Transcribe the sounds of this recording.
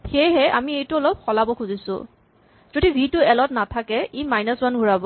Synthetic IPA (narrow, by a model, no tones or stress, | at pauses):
xejɦɛʔamiejtʊɔlɔp̚xɔlabɔkʰuzisʊ̰ | zodibʱitʊɛlɔtnatʰakɛimajnɔswanɡʱuɹabɔ